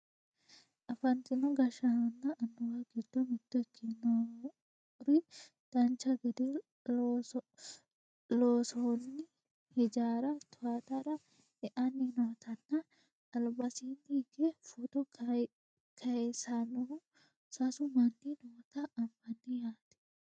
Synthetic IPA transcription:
ʔɐfɐnt̪ɪnɔɡɐʃɐhɐnːɐʔːnːʊwaɡɪd̪ːɔmɪt̪ːɔkʰːɪnɐ | ɾɪ | d̪̥ɐnt͡ʃːɐɡɛd̪ɛ | loːsonːɪ | hɛd͡ʒaːɾɐt̪ʰʊat̪ɐɾɐ | ɛʔɐnːinɔːt̪ɐnːɐ | ɐlbɐsind̪iːɡefut̪ɔ | kʰɐɛsanɔʊ | sɐsʊmɐnːinɔːt̪ɐːmbɐnːɪjaːt̪ɛ̥

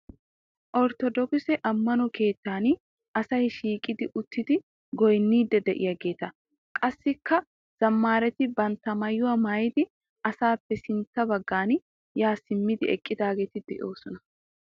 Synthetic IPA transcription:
ʔɔɾt̪ɔd̪ɔksɛʔɐmːɐnɔke̞ːt̪ːaːn | ʔɐsɐhɪʃiːkʼɪd̪ɪʔʊt̪ːɪd̪ɪ | ɡɔjnːiːd̪ːɛd̪ɛʔɪ̰jɐɡe̞ːt̪ɐ | kʼɐsːɪkʰːɐ | z̥ɐmːaːɾɛt̪ɪbɐnt̪ːɐmɐjːʊwɐmajɪd̪ɪ | ɐsaːpːɛsɪnt̪ːɐbɐɡːaːn | jaːsɪmːɪd̪ɪɛ̰kʼːɪd̪aːɡeːt̪ɪd̪ɛ̰ʔo̞ːsɔnɐ

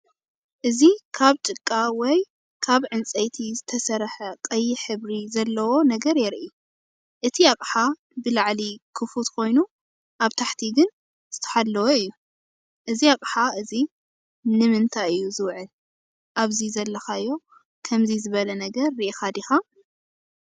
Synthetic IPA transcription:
ʔɨzikʰaβt͡ʃʼɨkʼːawɔj | kʰaβʕɨnt͡sʼɐjt̪ʰizɨt̪ʰɐsɐɾħɐkʼɐjːɪħɨβɾizɐlːɐwo̞nɐɡɐɾjɛɾʔi | ʔɨt̪ʰiakʼħa | bɨlaʕlikʰɨfut̪kʰo̞jnu | ʔaβt̪ʰaħt̪ʰiɡɨn | z̥ɨt̪ʰɐ̥ħad̪lːɐwoɨjːu | ʔɨziakʼħaʔɨzi | nɨmɨnt̪ʰaɨjːuzɨwʕɨl | ʔaβzizɐlːɐxaɨjːo̞ | kʰɐmzizɨβɐlɐnɐɡɐɾːɨʔixad̪ixa

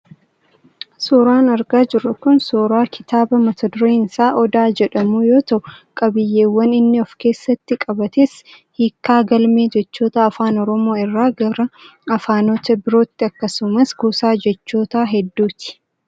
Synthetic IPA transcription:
soːɾaːnɐɾɡaːd͡ʒɪrːʊkʊnsoːɾaːkʰɪt̪aːbɐmɐt̪ʰɐd̪ʊɾeːnɪsaːʔɔd̪aːd͡ʒɛᶑɐmuːjo̞ːt̪ɐʔʊkʼɐbɪjːeːwːɐnɪnːɪɔfke̞ːsːɐt̪ːɪkʼɐbɐt̪eːs | hiːkːaːɡɐlmeːd͡ʒɛt͡ʃːo̞ːt̪ɐːfaːnɔɾɔmo̞ːɪrːaːɡɐɾɐɐfaːnoːt̪ɐbɪɾoːt̪ːɪɐkːɐsʊmɐsɡuːsaːd͡ʒɛt͡ʃːo̞ːt̪aːɦɛd̪ːuːt̪ɪ̥

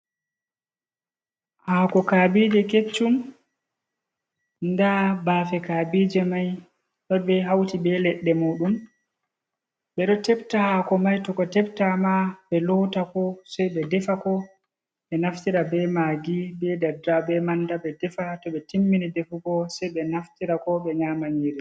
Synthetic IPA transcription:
hakɔkabid͡ʒɛket͡ʃːum | ndabafɛkabid͡ʒɛmaj | tɔjɓɛɦawtibɛlɛɗːɛmuɗum | ɓɛɗɔtɛbtahakɔmajtɔkɔtɛp̚tamaɓɛlɔwtakɔsɛjɓɛdɛfakɔ | ɓɛnaftiɾabɛmaɡibɛdadabɛmandaɓɛdɛfatɔɓɛtimːinidefuɡɔsɛjɓɛnaftiɾakɔɓɛɲaːmaɲiɾi

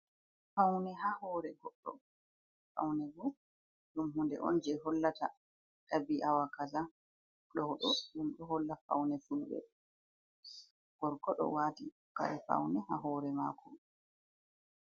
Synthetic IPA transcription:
fawnɛɦaːhɔːɾɛɡɔɗːɔ̰ | fa̰wnɛɡu | ɗumɦundɛ̰ʔɔ̰nd͡ʒɛɦɔlːata | kabiʔawakaza | ɗɔɗɔɗumɗɔɦɔlːafa̰wnɛfulbɛ̰ | ɡ̥ɔɾkɔɗɔ̰waːti | ka̰ɾɛfa̰wnɛhaɦɔːɾɛma̰ːkɔm

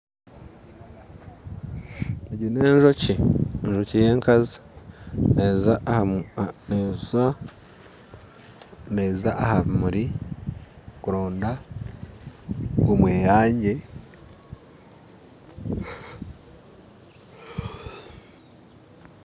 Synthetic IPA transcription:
eɟuneːɲʒociɲʒocije̞ːŋkazi | neza | nea | nezaʔːhaβimuɾi | kuɾoːnda | omwe̞ːjaːɲɟe̞

